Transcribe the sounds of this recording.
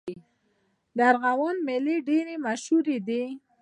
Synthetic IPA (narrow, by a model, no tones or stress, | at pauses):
d̪əaɾɣawonmeleɖeɾemaʃhuɾed̪i